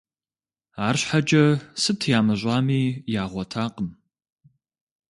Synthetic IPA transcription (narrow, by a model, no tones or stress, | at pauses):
aːrɕħad͡ʒʼɐsɨtʰjaːmɐʑʷʼɑːmiːjaːʁʷɔtʰaːqəm